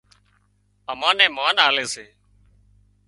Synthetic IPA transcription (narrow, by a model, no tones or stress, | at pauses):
əmãːnɛ̃ːmaːnaːleːseː